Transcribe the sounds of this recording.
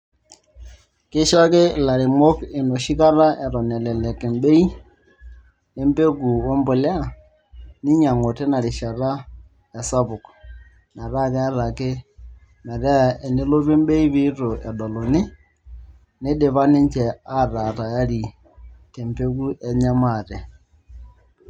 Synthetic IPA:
ke˦ʃa˦ke˦˨la˨ɾɪ˨mɔ˦ke˨no˨ʃi˦ka˦ɾa˦ʔɛ˨ɾɔ˨nɛ˨lɛ˨lɛ˨ke˨mbe˦i˦ | ne˦mbe˦ɡu˨wɔ˦mbo˨lɛ˦a˦˨ | nɪ˦ɲa˨ŋo˨te˦na˨ɾɪ˨ʃa˨ɾa˦ | ɛ˨sa˦bʊ˨k | na˨ɾa˦˨kɛ˦a˦ɾa˨ke˦ | mɛ˨ɾɛ˦˨ɛ˨ne˦lo˦ɾe˦mbe˦i˦bɪ˦to˨ʔɛ˨dɔ˨lɔ˨nɪ˦ | ne˦de˨βa˦ne˦ɲt͡ʃɛ˨a˦˨ra˨ta˨ja˦ɾi˨ | te˨mpe˦ku˦ɛ˨ɲa˦ma˦˨tɛ˨

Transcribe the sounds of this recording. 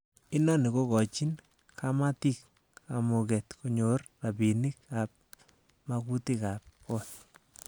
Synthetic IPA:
ɪ˦nɔ˦ni˨ko˦kɔ˨t͡ʃi˦n | kʰamat̪i˦k | a˨mo˨kɛ˨t̪ko˦ɲo˨rra˨bi˨ni˦ka˨p̚ | ma˧ku˦ti˦kap̚ko˦t̪̚

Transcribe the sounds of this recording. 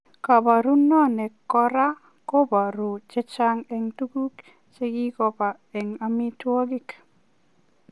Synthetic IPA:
ka˨ba˨ɾu˦nɔ˦nɛ˨kːɔ˦ɾa˦ | ko˦ba˨ɾu˨t͡ʃɛ˦t͡ʃa˦ŋɛ˨ŋtu˦ku˦k | t͡ʃe˦ɡi˦kɔ˦pa˨ | ɛ˨ŋami˦two˦ɡɪ˦k

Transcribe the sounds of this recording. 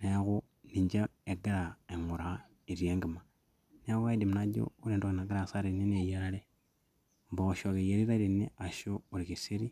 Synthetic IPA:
neɣu˦ | niɲd͡ʒe˦e˨ɡe˦ɾa˨e˨ŋu˨ɾa | i˨ɾjeː˦ŋɡi˨ma | ne˦ɣu˦e˦di˨mna˦ɟo̰˦uɾeː˨ndo˨ɣe˨na˨ɡa˦ɾasa˦ɾeni˦n˦e˨je˦ɾa˦le˦ | mboʃo˨ɣe˨je˨ɾi˦ɾa˦ɾini˦a˨ʃoː˦˨ɾikisi˦ɾi˦

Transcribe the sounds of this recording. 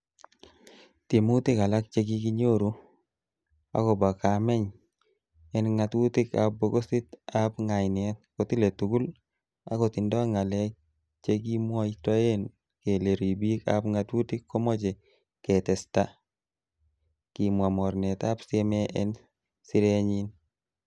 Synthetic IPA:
t̪e˨mu˦t̪ɪ˦ka˨la˦k̚t͡ʃe˦ɡi˦ki˦ɲo˦ɾu˦ | a̰˦kɔ˨ba˨ka˨mɛ˦ɲ | ɛ˦nŋa˨t̪wu˦tɪ˦ka̰˨p̚bo˦ɡo˦si˦t̪a˦pŋa˨jnɛ˨t̚ko˨tɪ˦le˨tu˨ɡu˦l | a̰˦ko˨t̪ɪ˨ndɔ˦a˦ŋa˨lɛ˦ | t͡ʃe˦ɡi˦mwɔ˦i˦ta˦e˦n | ke˨le˨ɾi˨bi˦ka̰pŋa˨twu˦tɪ˦kːo˦mɔ˦t͡ʃe˨ | kɛ˨tɛ˨sta˦ | ki˨mwa˨mɔ˨ɾnɛ˨t̪a˦pse˦mɛ˦ʔɛn | sɪ˦ɾe˦ɲi˦n

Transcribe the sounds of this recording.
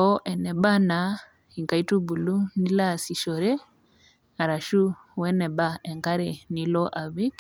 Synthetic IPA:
ɔ˦ʔɛ˨nɛ˨ba˦na˨ | i˨ŋka˨i˦tu˦bu˨lu˦ni˦la˦˨si˨ʃɔ˨ɾɛ˦ | a˨ɾa˨ʃu˦ | wɛ˦nɛ˨ba˦ɛ˨ŋka˦ɾɛ˨ni˨˦lɔ˦ʔa˨βi˦k

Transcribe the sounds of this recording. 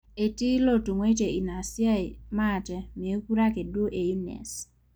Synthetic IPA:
e˨ti˦lo˦˨tu˨ŋwe˦te˨i˨na˨sja˦˨ma˦˨tɛ˨me˨˦ku˦ɾa˦ke˨dwo˦ʔe˨ju˦nɛ̰˨s

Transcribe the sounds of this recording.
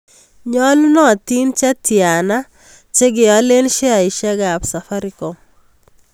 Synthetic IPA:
ɲɔ˦lnɔ˦˨ti˦nt͡ʃa˦tja˨na˦ | t͡ʃe˦ɡɪ˨a˨˦le˦nʃe˦a˨i˨ʃa˦ɡa˨psa˨fa˦ɾi˦ko˨

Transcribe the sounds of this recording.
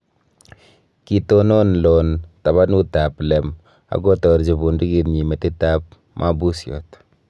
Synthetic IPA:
ki˨tono˦nlɔ˨nta˨βa˦nu˦ta˨plɛm | a̰˨ko˦tɔ˨ɾd͡ʒi˨bu˨ndu˦ki˦tɲi˨me˨tɪ˦ta˦p̚ | mʔa˦bu˦sjɔ̰˨t

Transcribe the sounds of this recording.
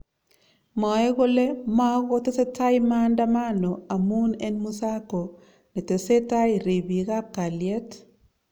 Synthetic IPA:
mɔ˨e˦ɣo˦le˦ma˦ɣo˦te˦se˦ta˦ima˦nda˦ma˦no˨a˨mu˦ne˦nmu˦sa˦ko˨ | ne˨te˨se˦ta˦i˨ɾi˨bi˨ɣa˦ka˨lje˦t

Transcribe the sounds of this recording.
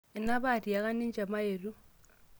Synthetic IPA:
e˨na˦βa˦˨ti˨ja˨ka˦ni˦ɲd͡ʒa˨ma˦je˨ɾu˦

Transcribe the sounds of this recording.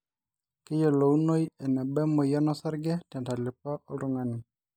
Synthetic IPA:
kɛ˦jɔ˨lo˨wno˦jɛ˨nɛ˨bɛ˦mɔ˨ja˦nɔ˦sa˦ɾɡɛ˦tɛ˨nta˨lɪ˨pa˦ʔɔ˦lɔ˦ŋa˨ni˨

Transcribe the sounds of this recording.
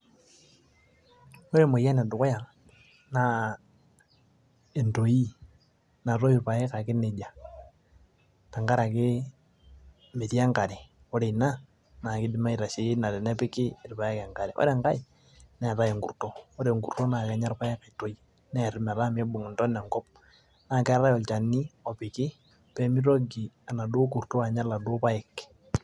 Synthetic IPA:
o˦ɾe˦mo˨ja˦nɛ˨dʊ˨kɔ˦ja˨ | na˨ | e˨nto˨ji˦ | na˨ɾo˦i˨pa˨e˦ka˨kɪ˦ne˨d͡ʒa˨ | na˨ŋɡa˦ɾa˨kɪ˦ | me˨ti˦a˦ŋka˨ɾe˨ | o˦ɾe˨i˨na˦ | na˨kɪ˦dɪ˦ma˦i˨ɾa˨ʃe˨je˦na˨ɾɛ˨nɛ˦pɪ˦kɪ˦ɪ˨rpa˨jɛ˦kɛ˨ŋka˨ɾɛ˨ʔɔ̰ɾɛ˨ŋka˦ɪ˨ | nɛ˦˨ɾa˦jɪ˨ŋɡṵ˨rto˦o˦ɾe˨ŋɡṵ˨rto˦na˨kɛ˨ɲa˦rpa˦ɪ˦ka˨to˦j | nɛ˦˨ɾɪ˨˦mɛ˨ɾa˦me˦bʊ˨ŋʊ˨ntɔ˦nɛ˨ŋkɔ˦p̚ | na˨kɛ˦ɾa˦jɔ˨lt͡ʃa˨ni˦ɔ˨pɪ˨kɪ˦ | pɛ˦mi˦ɾɔ˦ɡi˨a˨na˨dʊ˦ku˨rto˦a˨ɲa˦la˨dʊ˦pa˦ɪ˦k

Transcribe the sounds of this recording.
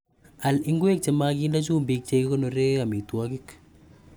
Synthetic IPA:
a˨lɪ˦ŋɡwe˦k̚t͡ʃe˨ma˦kiː˦nda˦t͡ʃuː˦mbi˧k̚t͡ʃe˨ki˦ko˦no˨ɾeː˦a˨mi˨twɔ˦kɪ˦k

